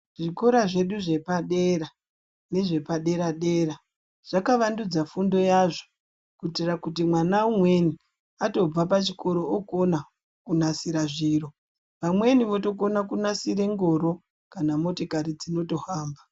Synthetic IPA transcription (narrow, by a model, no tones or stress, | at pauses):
ʐiko̞ɾaʐe̞ɗuʐe̞paɗera | ne̞ʐe̞paɗe̞ɾaɗe̞ːra | ʐ̥akaʋandud͡zafundo̞jaʐo | kutirakutimwanaumwe̞ni | ato̞b͡vap̬at͡ʃiko̞ɾo̞okona | kunasiɾaʐiːɾo | ʋamwe̞niʋo̞to̞konakunasiɾe̞ŋɡo̞ɾo̞ | kanamo̞tokaɾid͡zino̞to̞haːmba